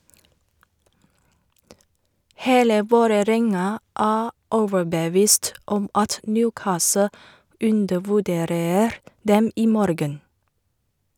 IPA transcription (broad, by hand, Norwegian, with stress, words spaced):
ˈheːlə ˈʋoːɾəˌɾɛŋɑ ˈæː ˈɔʋəɹbəˌʋiːst ˈɔm ˈɑt ˈnjʉːˌkɑːsə ˈʉndəʋʉˌdeːɾəɾ ˈdɛm ˈiː ˈmɔɾɡən